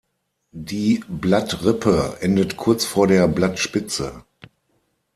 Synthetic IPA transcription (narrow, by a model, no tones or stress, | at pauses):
diːblatʁɪpʰəʔɛndətkʰʊɐt͡sfoːɐɾeːɐblatʃpɪt͡sə̰